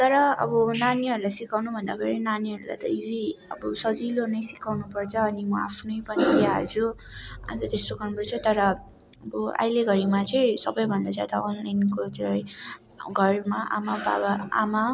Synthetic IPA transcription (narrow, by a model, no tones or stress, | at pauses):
t̪ʌɾʌʌ̰bʌnaniɦʌɾulajsikawnubʱʌnd̪aɡeɾinaniɦʌɾula̰jt̪ʌid͡ziʌ̰bʌsʌd͡zilonʌjsikawnupʌrt͡sʰʌːnimʌapʰnʌjpʌnidiaɦʌ̰lt͡sʰua̰t̪ʌt̪est̪oɡʌrnupʌrt͡sʰʌt̪ʌɾʌ | ʌbʌa̰jleɡʌɾimat͡sʌĩsʌbʌjbʱʌnd̪ad͡zjad̪aonlajnkot͡sʌ | ɡʱʌrmaʔa̰maba̰baa̰ma